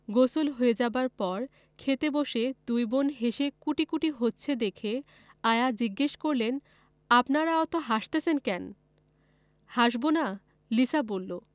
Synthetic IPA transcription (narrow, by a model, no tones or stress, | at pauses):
ɡosolɦoed͡ʑabaɾpɔɾ | kʰet̪eboʃed̪ujbonɦeʃekuʈikuʈiɦotːɕʰed̪ekʰe | ajad͡ʑiɡːeʃkoɾlen | apnaɾaɔt̪oɦaʃt̪esʰenkɛn | haʃbona | liʃabolːo